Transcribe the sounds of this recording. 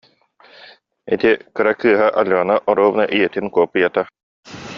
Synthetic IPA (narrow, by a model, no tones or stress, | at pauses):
ḭt̪ikɯɾakɯːɐɦaʔaluanaʔɔɾuɔːvɯnaʔijɛt̪inkuɔpːɯjat̪a